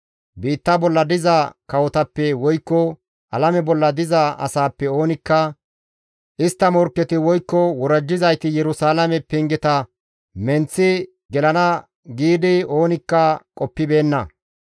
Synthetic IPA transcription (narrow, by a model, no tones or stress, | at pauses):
biːt̪ːɐbɔlːɐd̪ɪzɐkɐwɔt̪ɐpːɛwɔjkːɔ | ʔɐlɐmɛbɔlːɐd̪ɪzɐʔɐ̰saːpːɛo̞ːnɪkːɐ | ʔɪst̪ːɐmɔɾkːɛt̪ɪwɔjkːɔwɔɾɐd͡ʒːɪzɐjt̪ɪjɛɾʊsaːlɐmɛpːɪŋɡɛt̪ɐ | mɛnt͡sːɪ | ɡɛlɐnɐ | ɡiːd̪ɪo̞ːnɪkːɐkʼɔpːɪbe̞ːnːɐ̰